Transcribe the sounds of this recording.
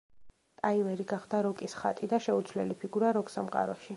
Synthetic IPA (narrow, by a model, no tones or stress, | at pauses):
t̪ʼaivɛɾiɡaχd̪aɾɔkʼisχa̰t̪ʼid̪aʃɛut̪sʰvlɛlipʰiɡuɾaɾɔksamqʼa̰ɾɔʃi